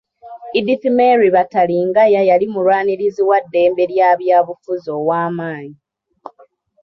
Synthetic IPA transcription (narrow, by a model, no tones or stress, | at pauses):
idifimeɾiβataliŋɡajajalimulwaːniɾiziwadːe̞ːmbe̞ɾjaːβjaːβufuzo̞ːwaːmaːɲi